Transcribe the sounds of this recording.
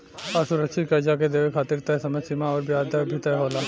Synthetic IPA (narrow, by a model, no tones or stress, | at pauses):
aɾsʊɾɐt͡ʃʰikɐd͡ʒak̬ed̪eːʋekʰaːt̪iɾt̪ɐsɐməsɪmaɔːɾbjaːd̪ʱəbʱit̪ɐɦoːla